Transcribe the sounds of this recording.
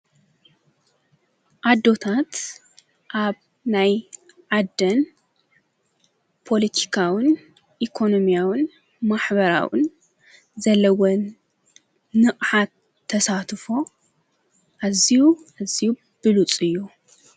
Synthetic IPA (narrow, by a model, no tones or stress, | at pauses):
ʔad̪ːo̞t̪ʰat̪ | ʔaβ | naj | ʕad̪ːɐn | pʰo̞lit̪ʰi̥kʰawɨn | ʔikʰo̞no̞mijawɨn | maħbɐɾa̰wɨ̰n | zɐlːɐwon | nɨχʼħat̪ʰː | ɐsat̪ʰfo | ʔazijuaziju | b̥ɨlut͡sʼɨjːu